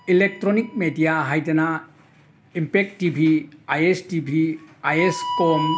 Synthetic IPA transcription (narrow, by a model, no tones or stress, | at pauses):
ilek̚tɾonik̚medijaɦajdɐna | impek̚tibʱiajestibʱiajeskom